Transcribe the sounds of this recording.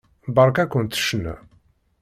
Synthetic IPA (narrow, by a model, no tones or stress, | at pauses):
bɑɾˤkækʷːənt̪ːə̥ʃnæ̰